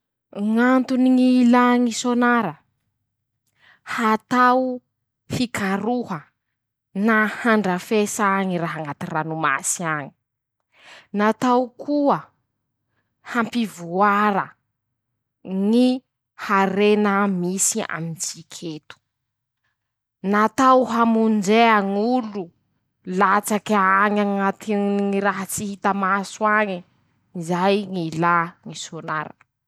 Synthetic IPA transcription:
ŋant̪uniŋilaŋisonaɾə | hat̪aw | fikʰaɾuhə | nahaɳɖ͡ʐəfesaŋiɾaɦaŋat̪iranuma̰siaɲi̥ | nat̪awkʰuə | hampivuaɾə | ŋi | haɾenəmisia̰mint͡sikʰet̪u̥ | nat̪awɦamund͡ʒeaŋulu | lat͡sakaŋaŋat̪iŋiɾaɦat͡sihit̪amasuaŋi | izajŋilaŋisona̰ɾə̰

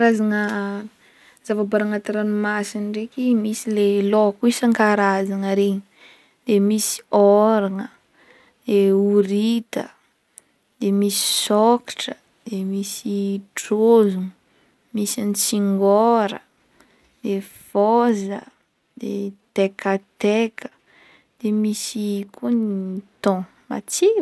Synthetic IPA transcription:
aɾazaŋə | zavabaɾaŋat̪aɾanumasinrekʲimisilelokuisaŋkaɾazaŋəɾeɲi̥ | d̪̥emisi̥ɔɾaŋə | d̪̥euɾit̪ə | d̪̥emisi̥sɔkḁʈ͡ʂə | d̪̥emisiʈ͡ʂozuŋ | misant͡siŋɡɔɾə̰ | d̪̥efɔzə̰ | d̪̥et̪ekat̪ekʰə̥ | d̪̥emisikʰunit̪ɔ̃ | ma̰t͡si

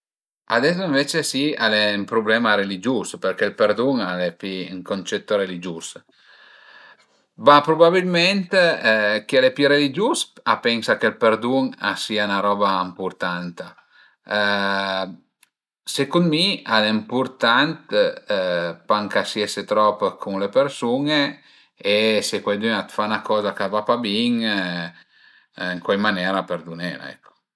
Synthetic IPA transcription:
ad̪ɛs̬oĩɱvet͡ʃesialempɾublɛmaɾelid͡ʒuspeɾkelpeɾd̪uŋalepiŋkont͡ʃɛt̪ːoɾelid͡ʒus | bapɾubabilment̪kialepiɾelid͡ʒusapɛŋsakelpeɾd̪uŋa̰siaunaɾɔːbaimpuɾt̪ant̪a | sekunmialempuɾt̪ant̪ | paŋkasieset̪ɾɔpkʰuŋlepeɾsuŋeː | sekwajd̪yŋat̪fanakɔːzakavapabiŋ | iŋkwajmanɛːɾapeɾd̪unɛ̰ɾa̰ɛ̰kːo̥

